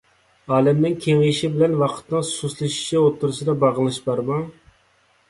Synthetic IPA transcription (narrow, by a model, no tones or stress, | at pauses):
ɑːlɛmnɪŋkʲʰeŋeʃɪbɪlɛnwɑqʰə̥t̪nɨŋsuslˠɨʃi̥ʃɛot̪ʰːuɾɨʃɨd̪ɑbɑʁəlˠɨʃbɑɾmɑŋ